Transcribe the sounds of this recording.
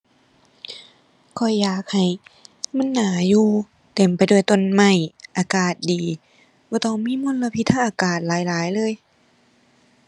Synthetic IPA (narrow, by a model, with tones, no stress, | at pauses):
kʰɔ˧˩jːaː˨˩k̚ha˨˩jma˧˥˨nːaː˨˦juː˧ | t̪e˨˩mpa˨jdəjt̪o˧˨nma˧˩jʔaː˨˧kaː˨˩t̪̚diː˨ | bɔː˧˦t̪ɔ˧˩˨ŋmiː˧˥˨mo˧˥˨nla˧pʰi˧˥t̪ʰa˧˥˨ʔaː˧kaː˨˩t̪̚laː˨˦jlaː˨˦jlɤː˧˥˨j